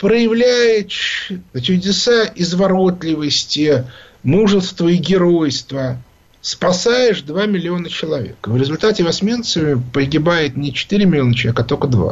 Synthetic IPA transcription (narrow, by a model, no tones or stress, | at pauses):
pɾəjɪvlʲæjɪʂt͡ɕʊdʲɪsaɪzvɐɾo̞t̪lʲɪvəsʲtʲɪ | muʐɨst̪vəɪɡʲɪɾo̞jst̪və | spɐsajɪʂd̪vamʲɪlʲɪo̞nət͡ɕɪlˠɐvʲḛkəvɾʲɪzʊlʲt̪atʲɪvɐsʲmʲe̞nt̪səvʲɪpəɡʲɪbajɪt̪nʲɪt͡ɕɪ̥t̪iɾʲɪmʲɪlʲɪo̞nət͡ɕ̪ˠʲekɐt̪okəd̪va̰